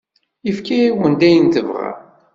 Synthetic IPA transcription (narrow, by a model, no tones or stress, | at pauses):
əfkiwənd̪æjənt̪əvʁa̰